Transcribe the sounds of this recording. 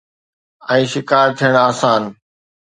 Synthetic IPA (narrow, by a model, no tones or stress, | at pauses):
ɛ̃ːʃɪkaːɾt̪ʰijəɽ̃aːsaːn